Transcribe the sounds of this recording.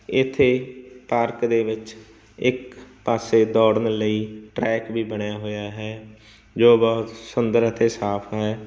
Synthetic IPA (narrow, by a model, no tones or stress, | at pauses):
ɪt̪ʰːeːpaːɾkd̪eːʋɪt͡ʃ | ɪkpaːseːd̪ɔːɽənləiːʈɾɛːkbʱiːbəɳjaːɦoːjaːɦɛː | d͡ʒoːbəɦt̪sʊnd̪əɾət̪ʰːeːsaːpʰɦɛː